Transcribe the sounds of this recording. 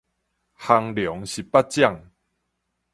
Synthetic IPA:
ha˧ŋljɔ˨˦ŋɕi˨pa˦t̚t͡ɕja˥˨ŋ

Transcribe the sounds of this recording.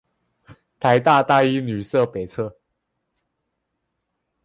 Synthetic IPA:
t̪ʰa˧˥ɪt̪a˥˧t̪a˥i˥ny˨˩sɤ˥˨pe˨˩ɪt͡sʰɤ˥˩

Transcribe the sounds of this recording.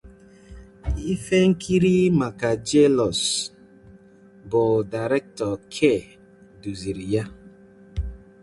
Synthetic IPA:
i˦fe˦ŋ̩˦kʰi˦ɾi˦ma˨ka˨d͡ʒe˦lɔ˨s | bɔ˨da˨ɾɛ˦k̚tɔ˨kʰe˦˨ | du˨zi˨ɾi˨ja˦

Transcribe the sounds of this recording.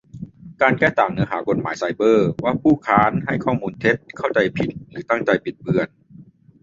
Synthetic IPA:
kaː˧nkɛː˥˩t̪aː˨˩ŋnɯ˧˦˥ɐɦaː˩˦ko˨˩t̪̚ma̰ː˩˦jsa˧jbɤː˥˩waː˧˩pʰuː˥˩kʰaː˦˥nɦa˥˩jkʰɔː˥˩muː˧nt̪ʰe˦˥t̪̚kʰa˥˩wt͡ɕa˧jpʰi˨˩t̪̚lɯː˩˦t̪a˥˩ŋt͡ɕa˧jpʰi˨˩t̪̚bɯ˧ən

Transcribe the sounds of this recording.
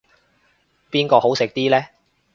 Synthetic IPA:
piː˥nkɔː˧ho˨˥wsɪ˨k̚t̪iː˥lɛː˥

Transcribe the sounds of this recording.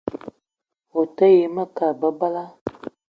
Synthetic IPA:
wo˨tə˦je˨˦mə˦ka˨bə˦ba˦la˦

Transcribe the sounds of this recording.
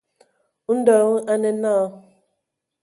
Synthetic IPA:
n̩˦dɔ˨ŋ̩˦ʔa˦ne˦na˦˨˦

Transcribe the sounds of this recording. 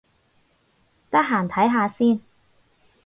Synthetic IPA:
t̪ɐ˥k̚ɦaː˨˩nt̪ʰɐ˨˥jɦaː˧siː˥n

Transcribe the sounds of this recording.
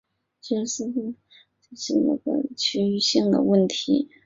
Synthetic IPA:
ʈ͡ʂɛ˥˧ʂɻ̩˥˩˥ | ʈ͡ʂə˥˩ʂɻ̩˥˩nə̰˥˩ɡə̰˩t͡ɕʰy˧˥y˥˧ɕi˥˩ŋd̪ə̰˩wə˥˩nt̪ʰi˧˥

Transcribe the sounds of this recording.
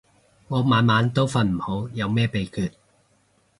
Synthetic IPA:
ŋɔː˨˧˥maː˨˧nmaː˨˧nt̪o˥wfɐ˧nm̩˨˩ho˨˥wjɐ˨˧wmɛː˥pe˨˧jkʰyː˨˧t̚

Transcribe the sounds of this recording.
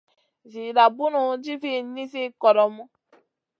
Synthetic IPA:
vi˨ɾa˨bu˦nu˨˦d͡ʒi˦fi˦˨˦ni˦si˦kɔ˨ɾɔ˨mu˦

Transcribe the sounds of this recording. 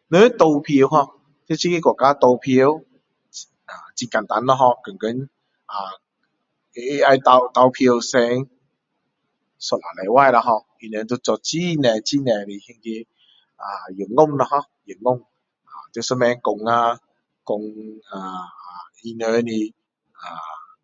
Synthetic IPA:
nə˧˦t̪o˧wpʰi˧ə˧wɦɔ˧ | t̪ʰe˦˥˦t͡ɕʰi˦ki˦˥˦kɔ˨˩˨kaː˦t̪o˧wpʰi˧ə˧w | a˨˩t͡ɕi˧ka˨˩nt̪a˨˦nlɔ˧ɦɔ˧kə˨˩ŋkə˨˦n | ʔa˨˩ | e˧˦˧a˧jt̪a˧wt̪a˧wpʰi˧ə˧wsɛ˧ŋ | sɔ˨˩la˨˩la˨˦jwa˥˧˨jla˧ɦɔ˧ | i˧nə˧t̪o˧t͡sɔ˧˩t͡ɕi˦nɛ˨˩t͡ɕi˦˧˨nɛ̃˨˧˩li˨˩hi˧ŋki˧ | a˨ju˨˩ŋʊ˥˩˨ŋna˧ɦɔ˧ | jɨ˨˩ŋʊ˥˩˨ŋ | a˨˩t̪sə˧˦mɛ˧˦ŋkʊ˨ŋa˧ | kʊ˧ŋa˨˩˨ | i˧nə˧ni˧˩ | a˨˩

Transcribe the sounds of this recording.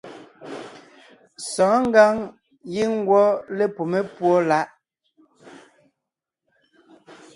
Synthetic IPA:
sɔ̃ː˨˦ŋ̩˦ɡa˦ŋ | ji˦ŋ˦ɡwɔ˦le˦po˨me˦pwɔ˦la˦ʔ

